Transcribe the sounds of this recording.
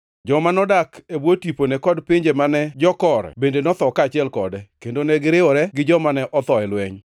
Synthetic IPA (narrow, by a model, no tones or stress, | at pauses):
d͡ʒɔmanɔdakebwotiponɛkɔdpɪɲd͡ʒemanɛd͡ʒɔkɔɾɛ̰bendenɔt̪ɔkat͡ʃɪɛlkɔdɛkendonɛɡɪɾɪɔɾɛɡɪd͡ʒɔmanɛʔɔt̪ɔɛlwɛɲ